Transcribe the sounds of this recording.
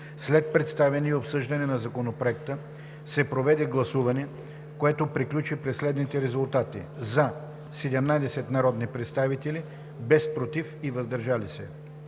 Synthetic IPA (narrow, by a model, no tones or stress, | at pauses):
slɛt̪̚pɾɛt̪st̪avɛniɛopsɤʒd̪ɐnɛnɐzɐkonopɾoɛkt̪ə | sɛpɾovɛd̪ɛɡlˠɐsuvɐnɛ | koɛt̪opɾiklʲut͡ʃipɾɛsːlɛd̪nit̪ɛɾɛzulˠt̪at̪ḭza | sɛd̪ɛmnad̪ɛsɛt̪nɐɾɔd̪nipɾɛt̪st̪avit̪ɛli | bɛspɾot̪ifivɐzd̪ɐɾʒalisɛ̰